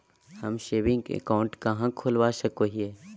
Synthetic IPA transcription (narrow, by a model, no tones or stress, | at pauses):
hɐmʃeːʋɪ̃ŋɡḛkaʊ̃ɳʈkɐɦãkʰoːlʋaʃəkoɦie